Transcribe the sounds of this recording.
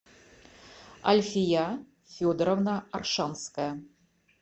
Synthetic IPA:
ɐ̰lʲfʲijɑ | fʲod̪ɾovnɑːrʃɑnskɑ

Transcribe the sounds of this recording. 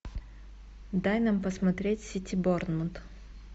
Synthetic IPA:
d̪ajnampəsmɐt̪ɾʲetʲsʲitʲɪbornmənt̪

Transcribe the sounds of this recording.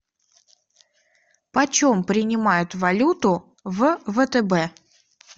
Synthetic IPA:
pɐt͡ɕompɾʲɪnʲɪmajʊt̪vɐlʲut̪ʊ | vvət̪ɛbɛ

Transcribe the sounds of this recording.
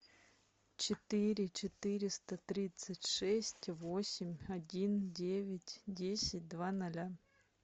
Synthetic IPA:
t͡ɕɪt̪ɨɾʲɪt͡ɕɪt̪ɨɾʲɪst̪ət̪ɾʲit̪sɨtʲʂɛsʲtʲvosʲɪmʲɐdʲindʲevʲɪtʲdʲesʲɪt̚ʲd̪vanɐlʲa

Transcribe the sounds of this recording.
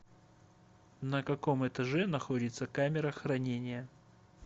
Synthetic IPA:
nəkɐko̞mɛt̪ɐʐɛnɐxo̞dʲɪt̪səkamʲɪɾəxrɐnʲenʲɪjə

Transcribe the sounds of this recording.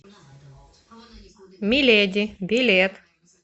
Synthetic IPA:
mʲilʲed̪ʲibʲilʲet̪

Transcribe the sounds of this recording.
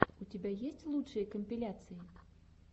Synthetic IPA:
ut͡sʲabʲajesʲt͡sʲlˠut͡ʂɨjɐkɐmʲpʲilʲat̪sɨji

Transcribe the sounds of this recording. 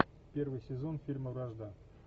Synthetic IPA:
pʲe̞rvɨjsʲɪzo̞nfʲilʲməvraʐd̪a

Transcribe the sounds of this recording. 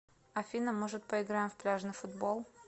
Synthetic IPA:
ɐfʲinəmɨʐɨt̪̚pəɪɡɾajɪmfplʲaʐnɨfʊd̪bolˠ

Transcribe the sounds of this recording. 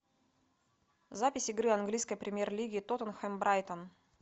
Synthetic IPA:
zapʲɪsʲɪɡɾɨɐnɡlʲijskəjpɾʲɪmʲje̞rlʲiɡʲɪːt̪ot̪ənxɛmbɾajt̪ən

